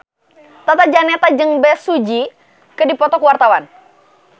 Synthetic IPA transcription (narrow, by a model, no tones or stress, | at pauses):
t̪at̪ad͡ʒanɛt̪ad͡ʒəŋbɛsud͡ʒi | kədipɔt̪ɔkəwart̪awan